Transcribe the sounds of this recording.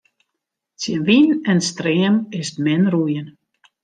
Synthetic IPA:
sjənʋinɛnstreːəmɪstmɪnrujən

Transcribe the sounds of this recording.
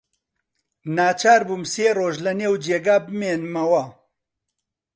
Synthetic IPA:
naːt͡ʃaːɾbuːmseːroːʒlɐneːwd͡ʒeːɡaːbɨmeːnmɐwɐ

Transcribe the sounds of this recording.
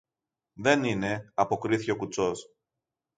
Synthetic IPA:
ðe̞nine̞ɐpo̞kɾiθiceo̞kut͡so̞s

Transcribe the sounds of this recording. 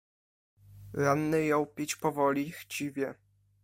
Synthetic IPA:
ɾanːɘjɔ̃w̃pʲit͡ɕpɔvɔlʲixt͡ɕivʲjɛ

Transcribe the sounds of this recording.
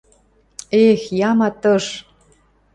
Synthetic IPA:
exjɑmɑt̪ɤ̆ʃ

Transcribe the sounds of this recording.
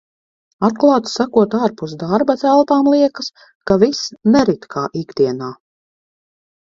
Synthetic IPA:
at̪̚klˠaːt̪sakuɔt̪aːɾpusd̪aɾbat̪ælˠpaːmlˠiɛkɐs | kavisnɛɾit̪kʰaːʔikd̪iɛnaː

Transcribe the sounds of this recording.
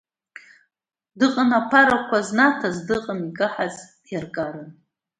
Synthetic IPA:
dɨqʼənapʰaɾakʷʰaznatʰazdɨqʼənikʼɨħazdjarɡʼaɾɨn

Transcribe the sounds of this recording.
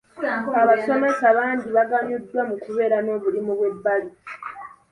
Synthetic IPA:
aβaso̞mesaβaːndiβaɡamjudːwamukuβe̞ːɾano̞ːβulimuβwe̞bːali

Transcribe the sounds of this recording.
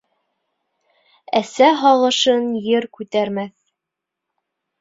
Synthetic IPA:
æsæɦɑlˠɤ̆ʃɤnjɘɾkʉt̪æɾmæθ

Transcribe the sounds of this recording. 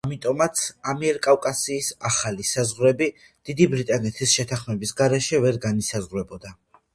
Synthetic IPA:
amit̪ʼɔmat̪sʰamiɛɾkʼafkʼasiːsaχalisazʁɾɛbi | d̪̥id̪ibɾit̪ʼanɛt̪ʰisʃɛt̪ʰaχmɛbisɡaɾɛʃɛvɛɾɡanisazʁɾɛbɔd̪a

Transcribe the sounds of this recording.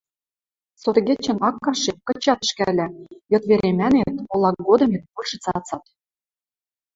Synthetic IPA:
sot̪ɣʲet͡ɕːɘ̆nɑkːɑʃekɤ̆t͡ɕɑt̪ə̆ʃkælʲæjŏt̪βeɾemænet̪olˠɑk̚ɡod̪ɤ̆met̪̚pulʲʃɤ̆t͡sɑt͡sɑt̪

